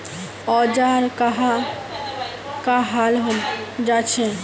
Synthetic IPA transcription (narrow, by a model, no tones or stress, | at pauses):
ɔd͡ʑaɾkaɦa | kaɦalɦod͡ʑat͡ɕʰe